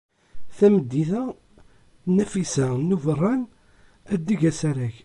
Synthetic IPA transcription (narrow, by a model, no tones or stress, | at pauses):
θæməd̪ːiθæ | næfisænuvərˤːɑn | æd̪ːiʝæsæɾæç